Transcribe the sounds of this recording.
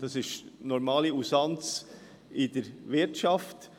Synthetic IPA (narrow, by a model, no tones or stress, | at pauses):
d̥ɑsɪʃtnɔɾmɑːliusɑnt͡s | ʔɪd̥əɾvɪɾtʃɑft